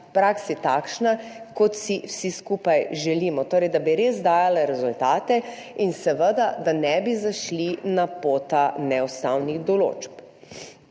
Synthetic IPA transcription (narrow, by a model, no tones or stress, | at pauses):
pɾaksɛt̪akʃnakɔt̪siwsiskuːpajʒɛliːmɔt̪oːɾɛjd̪abiɾeːzd̪aːjalɛɾɛzult̪aːt̪ɛinsɛʋəd̪ad̪anɛbizaʃlinapoːt̪anɛɔst̪awniɣd̪ɔlo̰ːt͡ʃp